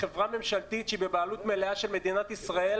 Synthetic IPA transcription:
χevʁame̞mʃalt̪it̪ʃibebaːlut̪meleaʃelme̞d̪inat̪isʁael

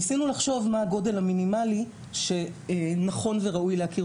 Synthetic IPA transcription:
sinulaχʃo̞vmaːɡo̞de̞lhaminimali | ʃe̞naχo̞nveʁaujleakiʁ

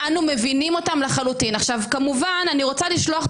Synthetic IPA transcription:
anume̞vinimo̞tamlaχalutinaχʃavkamuvananiʁo̞t͡saliʃlo̞aχ

